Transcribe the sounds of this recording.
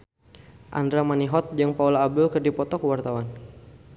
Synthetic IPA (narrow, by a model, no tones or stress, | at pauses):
ʔa̰ndɾamaniɦɔt̪̚d͡ʒaŋpaulaːb̚dʊlkərdipɔt̪ɔkəwart̪awan